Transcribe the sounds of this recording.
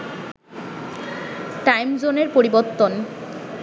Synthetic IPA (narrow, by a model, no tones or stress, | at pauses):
ʈajmd͡ʑoneɾpoɾiboɾt̪ːon